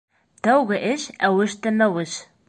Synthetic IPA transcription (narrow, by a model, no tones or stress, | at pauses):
t̪æwɣɘ̆ʔɘʃæwɘ̆ʃt̪æmæwɘ̆ʃ